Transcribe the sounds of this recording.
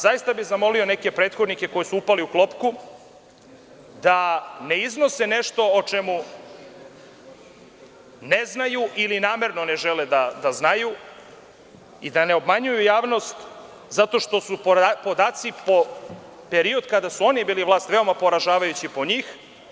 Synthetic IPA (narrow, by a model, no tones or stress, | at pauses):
zajist̪abiɣzamo̞lio̞neke̞pɾet̪xo̞d̪nike̞ko̞jisuupaliuklˠo̞pku | d̪aneizno̞sene̞ʃt̪o̞ot͡ʂemu | neznajuʔilinaːme̞ɾno̞ne̞ʒeled̪ad̪aznaju | id̪ane̞o̞bmaɲujujaːʋno̞st̪ | zat̪o̞ʃt̪o̞suppo̞d̪aːt̪sipo̞ | pe̞ɾio̞d̪kad̪asuo̞nibiːliʋlaːst̪ʋe̞o̞mapo̞ɾaʒaːʋajut͡ɕipo̞ɲiːx